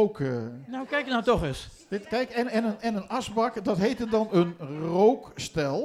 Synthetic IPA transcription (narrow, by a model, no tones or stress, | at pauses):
oknawkɛjkənatɔχɪs | d̥ɪtkɛjkɛnɛnənɛnənɑsbɑkdɔtɦejtədɑnənrowkstɛlˠ